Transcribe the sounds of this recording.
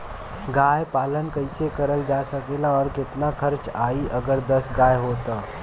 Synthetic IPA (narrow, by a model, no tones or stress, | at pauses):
ɡaːjpaːlənkɐɪsekəɾəld͡ʒaːsɐkeːlaɔːɾkɪt̪nakʰəɾt͡ʃaːiʔɐɡəɾd̪ɐsɡaːjɦoːt̪aː